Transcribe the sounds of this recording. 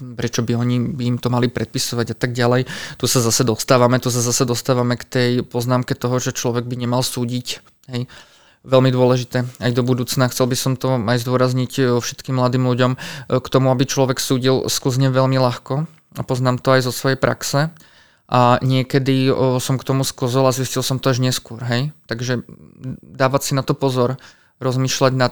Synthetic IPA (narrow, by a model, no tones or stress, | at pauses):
pɾɛt͡ʃɔbiɔɲibiːmt̪ɔmalipɾʔɛt̪̚pisɔʋaɟat̪aɡ̚ɟalɛjt̪usazasɛd̪ɔst̪aːʋamɛt̪us̬azasɛd̪ɔst̪aːʋamɛkt̪ɛjpɔznaːmkɛt̪ɔɦɔʒɛt͡ʃlɔʋɛɡ̚biɲɛmalsuːɟic | ɦɛj | ʋɛlmid̪ʊɔlɛʒit̪ɛːajd̪ɔbud̪uːt͡snaxt͡sɛlbisɔmt̪ɔajzd̪ʊɔɾazɲicɔfʃɛ̥t̪kimːlad̪iːmluɟɔmkt̪ɔmuabit͡ʃlɔʋɛksuːɟilskl̩zɲɛʋɛʎmilaxkɔ | apɔznaːmt̪ɔajzɔsʋɔjɛjpɾʔa̰ksɛ | ʔaɲɪɛkɛd̪isɔmkt̪ɔmuskl̩zɔlaziscilˠsɔmt̪ɔaʒɲɛskʊɔɾɦɛjt̪aɡʒɛ | d̪aːʋasinat̪ɔpɔzɔɾ | ɾɔzmiːʃlaɟna